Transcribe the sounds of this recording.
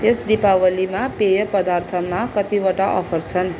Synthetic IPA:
esd̪ipawʌlimapejʌpʌd̪art̪ʰʌmakʌt̪iwaʈaʔʌpʰʌrt͡sʰʌn

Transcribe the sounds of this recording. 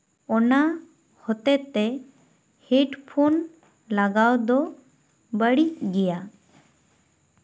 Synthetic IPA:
ɔna | hɔt̪ɛt̪ːɛ | heɖpʰon | laɡawd̪ɔ | bəɽiʔ̚ɡɛja

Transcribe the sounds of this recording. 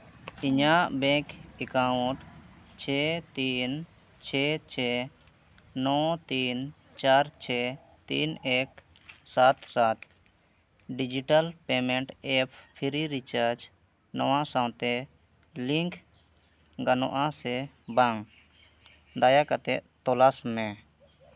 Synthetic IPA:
iɲaʔbɛ̃kɛkaũʈt͡ʃʰɛt̪in | t͡ʃʰɛt͡ʃʰɛ | nɔt̪in | t͡ʃaɾt͡ʃʰɛ | t̪ḭnɛk | sat̪sat̪ | ɖid͡ʒiʈalpɛmɛɳʈɛpʰpʰiɾiɾit͡ʃaɾd͡ʒ | nɔwãsãwt̪ɛ | liŋkʰ | ɡanɔ̰̃ʔãsɛ | baŋ | d̪ajakat̪ɛ̰ʔt̪ɔlasmɛ̃

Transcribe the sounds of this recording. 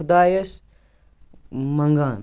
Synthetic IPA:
ud̪aːjɐs | mɐŋɡaːn

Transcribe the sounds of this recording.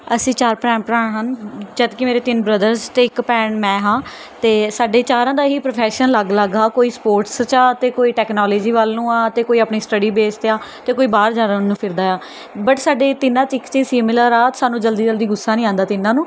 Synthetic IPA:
əsĩːt͡ʃaːɾpɾɛ̃ːmpɾaːɳɦənd͡ʒəd̪kɪmeːɾeːt̪ɪnbɾəd̪əɾzt̪eːɪkpɛːɳmɛ̃ːɦãː | t̪eːsaːɖeːt͡ʃaːɾãːd̪aːɦiːpɾoːpʰɛːʃənləɡləɡaːkoːiːspoːɾʈst͡ʃaːt̪eːkoːiːʈɛːknaːleːd͡ʒiːʋaːlːũːaːt̪eːkoːiːaːpniːsʈəɖiːbeːst̪eaːt̪eːkoːiːbaːɾd͡ʒaːɾãːnũːpʰɪɾd̪aːjaː | bəʈsaːɖeːt̪ɪnːãːt͡ʃɪkt͡ʃiːsiːmɪlaɾaːt̪saːnũːd͡ʒəld̪iːd͡ʒəld̪iːɡʊsːaːnĩːãːnd̪aːt̪ɪnãːnũː

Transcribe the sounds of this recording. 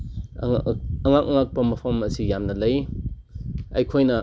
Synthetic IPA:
ŋɐŋak̚ŋak̚pɐmɐpʰɐmɐsijamnɐlɐj | a̰jkʰojnɐ

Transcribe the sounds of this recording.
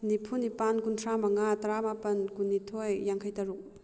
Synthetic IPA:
nipʰunipankuntʰɾamaŋataɾamapɐnkunːitʰɔjːaŋkʰajtaɾuk̚

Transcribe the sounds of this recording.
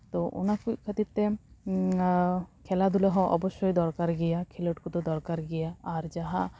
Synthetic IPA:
t̪ɔʔṵnakujkʰət̪iɾt̪ɛ | kʰɛlad̪ulɔɦɔ̃ʔɔ̰bɔʃɔjd̪ɔɾkaɾɡɛjakʰɛlɔʈkut̪ɔd̪ɔɾkaɾɡɛjaːɾd͡ʒaɦa

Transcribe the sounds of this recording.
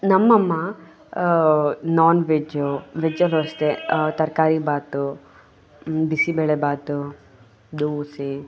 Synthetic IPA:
nɐmːɐmːɐ | naːnʋed͡ʒuʋed͡ʒɐloːst̪et̪ɐɾkaːɾibaːt̪u | bisibeɭebaːt̪u | d̪uːsi

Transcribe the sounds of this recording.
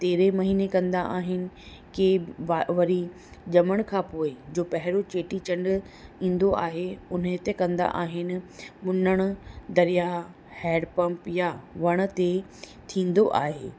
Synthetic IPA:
t̪eːɾemɐɦiːnekɐ̃nd̪aʔaːɦɪnɪ̆ | keʋaʋɐɾi | ʄɐməɽ̃kʰãːpoːɪd͡ʑoːpɐɦɪɾot͡ɕeːʈit͡ɕɐ̃ɳɖ | ĩːn̆d̪oaːɦeʊnət̪ekɐ̃nd̪a̰ʔaːɦɪnɪ̆mʊnəɽ̃ʊd̪ɐɾija | hɛːɖpɐ̃mpjaʋɐɽ̃̆t̪e | t̪ʰĩːn̆d̪oʔa̰ːɦḛː

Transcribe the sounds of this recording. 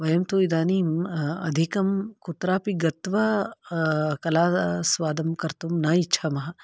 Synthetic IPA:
ʋɐjɐmt̪oːid̪aːniːmɐ̰d̪ʱikɐmkut̪ɾaːpiɡɐt̪ʋɐ | kɐlaːsʋaːd̪ɐmkɐɾt̪umnɐitːt͡ʃʰamɐɦɐ

